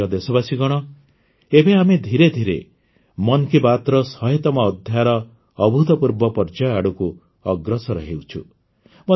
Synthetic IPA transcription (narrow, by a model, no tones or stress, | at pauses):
ɔd̪esɔbasiɡɔɽ̃ɔ | ebeamed̪ʱiɾed̪ʱiɾḛ | mɔnkibat̪ɾɔsɔɦet̪ɔmɔːd̪ʱjaɾɔː | bʱut̪ɔpuɾbɔpɔɾd͡ʒaaɽuku | ɔɡɾɔsɔɾɔɦewt͡ʃʰṵ | mɔ